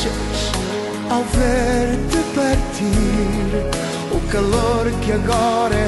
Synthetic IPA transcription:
ɐ | ʃ | awveɾd̪ɨpɐɾt̪ʰiɾ | ʊkɐlˠoɾkɨɐɣɔɾɐ

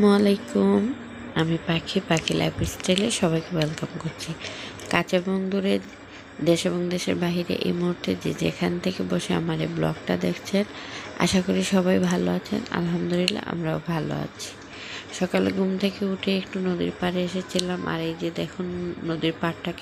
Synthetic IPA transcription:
moalejkum | amipakʰipakʰila̰jpisʈɾeleʃɔβajkebɛlkamkoɾt͡ɕʰi | kat͡ɕeboŋd̪uɾe | d̪eʃeboŋd̪eʃḛɾbaɦiɾḛʔḛjmuɦuɾt̪ed͡ʑed͡ʑḛkʰant̪ʰekeboʃea̰maɾeblɔ̰kʈad̪ekʰt͡ɕʰena̰ʃakoɾiʃɔβajbʱaloat͡ɕʰḛna̰lɦamd̪olilːa̰a̰mɾaobʱalo̰a̰t͡ɕʰi̥ | ʃɔkalḛɡumt̪ʰekeuʈʰeekʈunod̪ḭɾpaɾeeʃet͡ɕʰilamʔa̰ɾed͡ʑed̪ɛkʰunːod̪iɾpaɾʈʰake

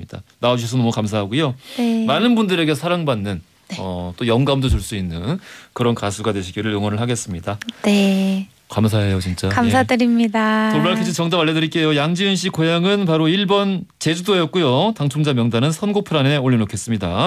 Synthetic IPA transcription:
idanaad͡ʑuɕʰis̬ʰʌnnmʌkams̬ʰaɦaɡujonemanɯnbundɯɾe̞ɡe̞sʰaɾaŋbanːɯn | ʌt͈ojʌŋɡaumdot͡ɕuɭs͈uinːɯnkɯɾʌnkasʰuɡadwe̞ɕʰiɡiɾɯɭjoŋwʌnɯɭhaɡe̞s͈ɯmɲidane | kams̬ʰaɦe̞jot͡ɕint͡ɕ͈akamsʰadɯɾimɲidat͡ɕoɭmaɭkʰɯd͡ʑʰit͡ɕʌŋd͡ʑamaʎːedɯɾik͈e̞jojaŋd͡ʑiɯnɕʰikojaŋɯnp̬aɾoiɭbʌnt͡ɕe̞d͡ʑudoejʌt̚k͈ujotaŋt͡ɕʰoŋd͡ʑamjʌŋdanɯnsʰʌnɡopʰɯɾane̞oʎːinokʰe̞s͈ɯmɲida

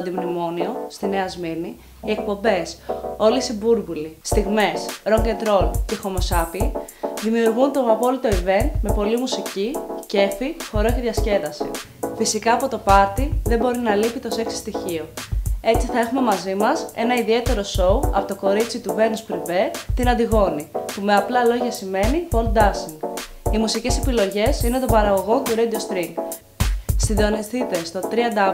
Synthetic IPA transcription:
nd̪imnimo̞nio̞st̪ine̞ɐzmini | iek̚po̞mbe̞so̞lisibuɾbulist̪iɣme̞sɾo̞ŋɡent̪ɾo̞lce̞xo̞mo̞sɐpiðimiuɾɣunt̪o̞ɐpo̞lit̪o̞ive̞nme̞po̞limusicice̞fixo̞ɾo̞ceðʝɐsce̞ðɐsḭ | fisikɐːpo̞t̪o̞pɐɾt̪iðe̞mbo̞ɾinɐlipit̪o̞se̞ksi̥st̪içio̞e̞t͡siθɐe̞xume̞mɐzimɐse̞̰nɐiðie̞t̪e̞ɾo̞so̞uɐ̰po̞t̪o̞ko̞ɾit͡sit̪uve̞nuspɾive̞t̪inɐnd̪iɣo̞nipume̞ɐplɐlo̞ʝɐsime̞nipo̞lt̪̚d̪ɐsiŋ | imusice̞se̞pilo̞ʝe̞sine̞t̪o̞mbɐɾɐɣo̞ɣo̞nt̪uɾed̪io̞st̪ɾiŋɡ | sind̪o̞nisθit̪e̞st̪o̞t̪ɾiɐnd̪ɐ

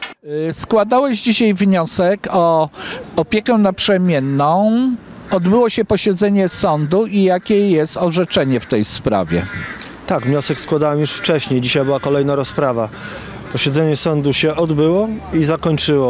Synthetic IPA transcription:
skwad̪awɛʑd͡ʑiɕajvɲɔsɛkɔ | ɔpʲjekɛnapʂɛmʲjɛnːɔ̃w̃ɔd̪bɘwɔɕɛpɔɕɛd̪zɛɲɛsɔnd̪uijakʲɛjɛst̪ɔʐɛt͡ʂɛɲɛft̪ɛjspɾa̰vʲjɛ̰ | t̪aɡvɲɔsɛkskwad̪awɛmjuʂft͡ʂɛɕɲejd͡ʑiɕajbɘwakɔlɛjnaɾɔspɾava | pɔɕɛd̪zɛɲɛsɔnd̪uɕɛʔɔd̪bɘwɔizakɔɲt͡ʂɘwɔ

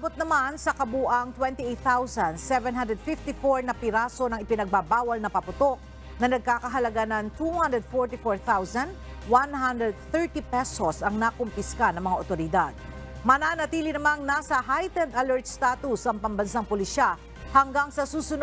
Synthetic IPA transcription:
abʊt̪̚nɐmansɐkɐbuːʔɐŋt̪wɛnt̪iʔejt̪θawsɐnd̪sɛvɛnɦãnd̪ɾɛd̪fɪft̪ifoɹnɐpɪɾasonɐŋʔɪpɪnɐɡ̚babaːwɐlnɐpɐpʊt̪o̞k̚ | nɐnɐɡ̚kaːkɐɦɐlɐɡanɐŋt̪uhand̪ɹɛd̪̚foɹt̪ifoɹθawsɐnd̪ | wanhand̪ɹɛd̪̚θɛɹt̪ipɛsosɐŋnakʊmpɪskanɐŋmɐŋaʔot̪oɾɪd̪ad̪̚ | mɐnaːnɐt̪iːlɪnɐmaŋnasɐɦajt̪ɛnd̪ɐlɛɹt̪̚st̪at̪usʔɐŋpɐmbɐnsaŋpoliʃa | hɐŋɡaŋsɐsuːsʊn

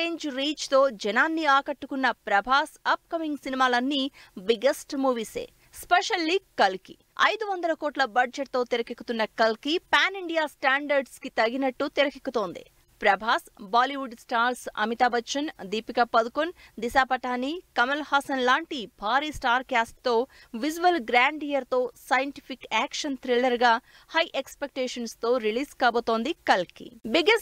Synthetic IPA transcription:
eːɲd͡ʒɾiːt͡ʃt̪o̞ːd͡ʒɛnaːnːiaːkɐʈːukunːɐpɾɐbʱaːsɐp̚kɐmiŋɡsinimaːlɐnːibiɡesʈmuːʋisḛː | spɛʂɐlːiːkɐlkḭ | ɐ̰jd̪uʋɐnd̪ɐlɐkoːʈlɐbɐɖd͡ʒɐʈ̚t̪o̞ːt̪iɾɐkikːu̥t̪unːɐkɐlkipaːniɳɖijaːsʈaːɳɖɐɾɖskit̪ɐɡinɐʈːut̪iɾɐkikːut̪o̞ːnd̪ḭ | pɾɐbʱaːsbaːliʋuɖsʈaːɾsɐ̰mit̪aːbɐtːʃɐnd̪iːpikɐpɐd̪ukund̪isaːpɐʈaːnːikɐmɐlhaːsɐnlaːɳʈibʱaːɾiːsʈaːɾkaːsʈ̚t̪o̞ː | ʋid͡ʒuʋɐlɡɾaːɳɖijɐɾt̪o̞ːsɐjɐɳʈi̥pʰikaːkʂɐnt̪ʰɾilɐɾɡaː | hɐjʔekspek̚ʈeːʂɐnst̪o̞ːɾiliːskaːboːt̪oːnd̪ikɐlkḭbiɡes

